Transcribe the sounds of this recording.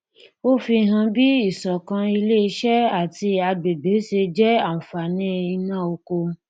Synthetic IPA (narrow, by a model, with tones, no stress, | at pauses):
o˦fi˧ɦã˧bi˦i˦˨sɔ˨kã˧i˧le˦i˧ʃɛ˦a˦˨ti˧a˧ɡ͡be˨be˨˦ʃe˧d͡ʒɛ˦a˦˨n̩˨fa˨nĩ˦˧i˧nã˦˨o˧ko˧